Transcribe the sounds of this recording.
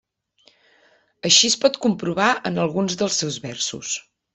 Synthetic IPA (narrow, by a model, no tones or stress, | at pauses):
əʃispɔt̪kumpɾuβ̞aʔənəlˠɣunzðəlˠsːɛwzβɛ̰rsṵs